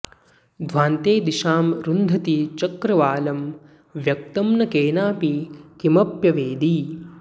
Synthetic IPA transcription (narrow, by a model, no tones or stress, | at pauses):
d̪ʱʋaːnt̪eːd̪iʃaːmɾund̪ʱɐt̪it͡ʃɐkɾɐʋaːlɐm | ʋjɐk̚t̪ɐmnɐkeːnaːpikimɐpjɐʋeːd̪i